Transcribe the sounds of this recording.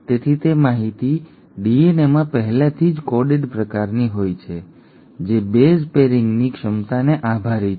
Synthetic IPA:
t̪et̪ʰit̪emaɦit̪i | ɖienemãpəɦɛlat̪ʰid͡ʒkɔɖeɖpɾəkaɾniɦojt͡ʃʰe | d͡ʒebespeɾɪŋɡnikʃəmt̪aneʔabʱaɾi

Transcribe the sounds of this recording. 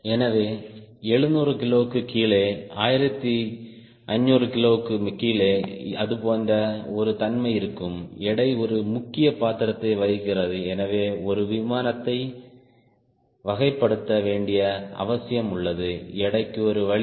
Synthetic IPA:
ɛnɐʋeːɛɻɯnuːrɯkɪloːɯkːɯkiːɭeːaːjɪɾɐt̪ːi | ɐɲːoːrɯkɪloːɯkːɯkiːleːɐðɯpoːndɐɔɾɯt̪ɐnmɐɪɪɾɯkːɯmɛɽɐɪɔɾɯmʊkːɪjɐpaːt̪ːɪɾɐt̪ːɐɪʋɐɻɣɪrɐðɯɛnɐʋeːɔɾɯʋɪmaːnɐt̪ːɐɪ | ʋɐɣɐɪpːɐɽɯt̪ːɐʋeːɳɖɪjɐɐ̰ʋɐsɪjɐmʊɭːɐðɯɛɽɐɪkːɯɔɾɯʋɐɭ

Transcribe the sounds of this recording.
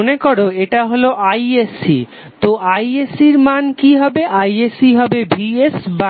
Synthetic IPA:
onekoɾoeʈaɦoloʔajesḭ | t̪oʔajesiɾmankiɦɔbeʔajesiɦɔbebiesba

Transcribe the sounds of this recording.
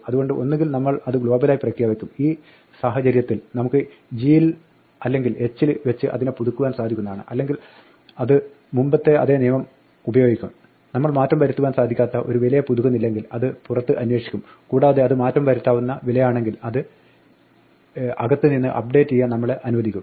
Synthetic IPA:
ɐðuɣo̞ɳɖɨʔo̞nːeŋɡilnɐmːɐɭɐðɨɡɭo̞ːbɐlaːjiprɐkɾijaːʋɐkʲːumiː | saːɦɐt͡ɕɐɾjɐt̪ːilnɐmukːɨ | d͡ʑiːl | ɐlːe̞ŋɡile̞t͡ɕːilʋet͡ɕːɨʔɐ̰ðinepuðukːuʋaːnsaːd̪ʱikʲunːɐðaːɳɨ̰ʔɐlːe̞ŋɡil | ɐðɨ | mumbɐt̪ːe̞ɐ̰ðe̞ːnijɐmɐm | ubɐjo̞ɡikʲːum | nɐmːɐɭmaːtːɐmpɐɾit̪ːuʋaːnsaːd̪ʱikʲːaːt̪ːɐʔo̞ɾuʋilɐjɐpuðuɣɐnːilːe̞ŋɡilɐðɨpurɐt̪ːɨʔɐnwe̞ːʂikʲːum | kuːɽaːɐðeɐðɨmaːtːɐmpɐɾit̪ːaːʋunːɐʋilɐjaːɳe̞ŋɡilɐðɨ | ɐɡɐt̪ːɨninːɨ̰ʔɐp̚ɖe̞ːtːijːɐnɐmːɐɭʔɐnuʋɐd̪ikʲːum

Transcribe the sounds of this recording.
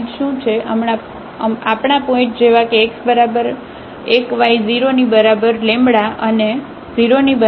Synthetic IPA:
ʈʃũt͡ʃʰeəmɳa | əapɳapɔ̃ɪ̃ʈd͡ʒeʋakeːksbəɾabəɾ | ekʋaiziɾonibəɾabəɾlẽmbɽaʔəne | ziɾonibə

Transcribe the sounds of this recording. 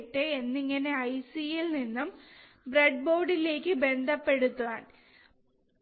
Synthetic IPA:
ʈːɨenːiŋːɐne̞ɐjsijilninːum | breɖ̚boːɽile̞ːkʲːɨbe̞nd̪ʱɐpːe̞ɽut̪ːuʋa̰ːn

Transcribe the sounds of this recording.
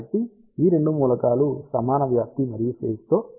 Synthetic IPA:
ʈ̪ːi | iːɾe̞ɳɖumuːlɐkaːlusɐmaːnɐʋjaːk̚t̪imɐɾijupʰe̞ːst̪o̞ː

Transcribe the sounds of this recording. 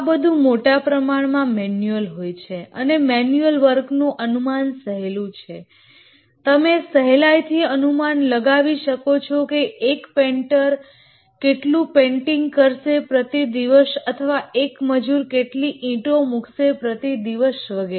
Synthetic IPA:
abəd̪ʱũmoʈapɾəmaɳmãmɛnjuəlɦojt͡ʃʰeə̰nemɛnjuəlʋəɾknũʔənumansəɦelũt͡ʃʰe | t̪əmesəɦelajt̪ʰiənumanləɡaʋiʃəkot͡ʃʰɔkeːkpeɳʈəɾ | keʈlũpẽɳʈiŋɡkəɾʃepɾət̪id̪iʋəsət̪ʰəʋaekməd͡ʒuɾkeʈliʔĩʈomukʰʃepɾət̪id̪iʋəʃʋəɡe

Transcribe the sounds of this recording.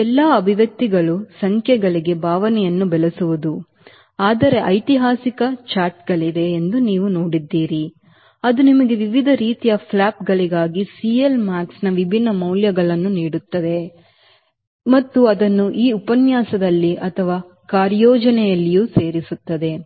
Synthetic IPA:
ɛlːaːɐbʱiʋɐk̚t̪ːiɡɐɭusɐŋkʰjɛɡɐɭiɡe̞bʱaːʋɐnɛjɐnːubɛɭesuʋud̪u | aːd̪ɐɾe̞ʔɐjt̪iɦaːsikɐt͡ʃaːɾʈɡɐɭid̪e̞ːnd̪uniːʋunoːɽid̪ːiːɾi | ɐd̪unimɐɡe̞ʋiʋid̪ʱɐɾiːt̪ijɐpʰlaːpɡɐɭiɡaːɡisiːjelmaːksnɐʋibʱinːɐmɐwljɐɡɐɭɐnːuniːɽut̪ːɐd̪e̞ | mɐt̪ːuɐd̪ɐnːuʔiːupɐnjaːsɐd̪ɐlːiʔɐt̪ʰɐʋaː | kaːɾjɔːd͡ʒɐnɛjɐlːijuːse̞ːɾisut̪ːɐd̪e̞

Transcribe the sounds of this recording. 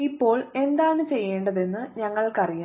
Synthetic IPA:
ipːo̞ːɭe̞nd̪aːɳɨt͡ɕe̞jːeːɳɖɐðe̞nːɨɲɐŋːɐɭkɐrijaː

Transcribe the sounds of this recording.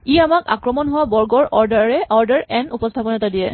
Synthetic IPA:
iamaka̰kɹɔmɔnɦʊwabɔɹɡɔɹʔɔɹdaɹɛʔɔɹdaɹɛnupɔstʰapɔnatadijɛ

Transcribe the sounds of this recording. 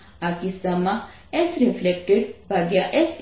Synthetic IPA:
akisama | esɾiflek̚ʈeɖbʱaɡjaʔes

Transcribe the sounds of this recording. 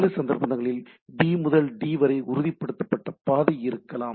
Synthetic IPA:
lɐsɐnd̪ɐɾpɐnɐŋɣɐɭɪl | ɖiːmʊðɐlɖiːʋɐɾɐɪʔʊɾʊðipːɐɽɯt̪ːɐpːɐʈːɐpaːðɐɪɪɾɯkːɐlaːm

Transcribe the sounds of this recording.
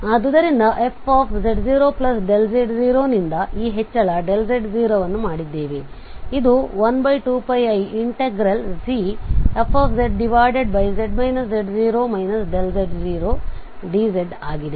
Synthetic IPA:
ɐd̪ɐd̪ɐɾind̪ɐʔe̞pʰaːpʰzeɖd͡ʒiːɾo̞ːplɐsɖeld͡ʒeɖd͡ʒiːɾoːnind̪ɐʔiːɦet͡ʃːɐɭɐɖelzeɖd͡ʒiːɾoːʋɐnːumaːɽid̪ːe̞ːʋe̞ | id̪uʋɐnbɐjʈuːpɐjɐjiɳʈeɡɾɐlsiepʰːaːpʰzeɖɖiʋaːjɖeɖbɐjzeɖmɐjnɐs̬d͡ʒeɖd͡ʒiːɾoːmɐjnɐsɖelzeɖd͡ʒiːɾoː | ɖiːd͡ʒeɖaːɡid̪e

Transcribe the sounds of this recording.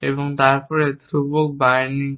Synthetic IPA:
eboŋt̪aɾpɔɾet̪ɾubok̚bajniŋ

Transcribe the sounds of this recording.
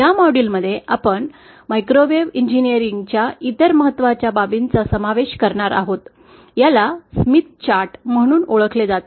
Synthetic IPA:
jamɔɽilməd̪ʱːjeapəɳ | majkɾoʋeʋiɲd͡ʑinijəɾiŋɡt͡ɕjait̪əɾməɦət̪ːʋat͡ɕjababint͡sasəmaʋeɕkəɾɳaɾa̰ɦot̪ | jalasmit̪̚t͡ɕaɾʈm̤əɽ̃uːnoɭəkʰled͡zat̪

